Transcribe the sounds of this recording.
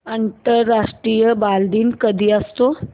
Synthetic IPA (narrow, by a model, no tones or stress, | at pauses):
ənt̪əɾːaʂʈɾiːjəbald̪iːnkəd̪ʱiːəst̪o